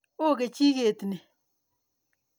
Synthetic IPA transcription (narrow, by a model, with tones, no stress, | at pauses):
o˦˨ke˨t͡ʃi˦ke˨tne˨